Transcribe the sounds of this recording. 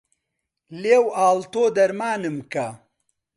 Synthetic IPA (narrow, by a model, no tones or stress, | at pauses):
leːwaːlt̪oːd̪ɐɾmaːnɨmkɐ